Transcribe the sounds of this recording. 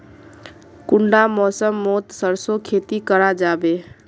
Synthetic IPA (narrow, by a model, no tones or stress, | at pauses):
kʊɳɖamɔːsəmːoːt̪səɾsokʰeːt̪ikəɾad͡ʒaːbeː